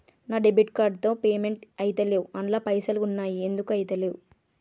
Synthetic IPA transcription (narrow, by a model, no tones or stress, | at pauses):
naːɖebiʈkaːɾɖt̪o̞ːpeːme̞ɳʈɐjt̪ɐleːwuɐɳlaːpɐjsɐlunːaːjie̞nd̪ukuɐjit̪ɐleːwu